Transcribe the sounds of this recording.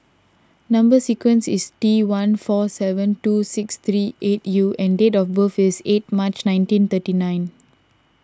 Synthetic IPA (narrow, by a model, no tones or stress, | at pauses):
nãmbəsikwə̃nsistiwãnfɔsɛvə̃ntusɪkst̪ɹiʔetjuʔɛ̃ndetɔfbəfiset̚mat͡ʃnãɪ̃ntĩnt̪ətinãɪ̃n